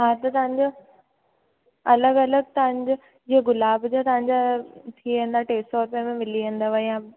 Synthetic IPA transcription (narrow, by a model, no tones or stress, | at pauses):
ɦãːt̪ɐt̪ɐʋ̤ə̃ɲd͡ʑo | ɐləɡɐləɡ̚t̪ɐʋ̤ə̃ɲd͡ʑo | d͡ʑieɡʊlaːbd͡ʑot̪ɐʋ̤ãɲd͡ʑat̪ʰiẽːnd̪aʈeːsɔːɾʊpjəmẽmɪliẽːnd̪aʋajã